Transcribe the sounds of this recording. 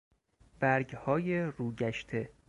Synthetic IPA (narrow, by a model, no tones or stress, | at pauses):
b̥æɾɡhɒːjeɾuːɟæʃt̪ʰe̞